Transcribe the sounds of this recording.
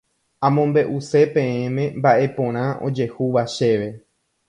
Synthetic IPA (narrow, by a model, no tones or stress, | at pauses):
ãmõ̞mbe̞ʔuse̞pẽ̞ẽmẽ̞mbaʔe̞põ̞ɾ̃ãʔo̞̰d͡ʒe̞huʋaʃe̞ʋe̞